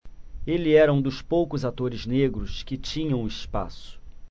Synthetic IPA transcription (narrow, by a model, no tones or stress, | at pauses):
elɪɛɾɐũd̪ʊspowkʊzat̪oɾɪzneɡɾʊskɪt͡ʃĩɲɐ̃w̃ispa̰sʊ̥